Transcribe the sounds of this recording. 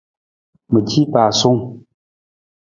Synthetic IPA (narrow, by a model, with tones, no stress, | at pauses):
mə˨di˦pa˨so˦ŋ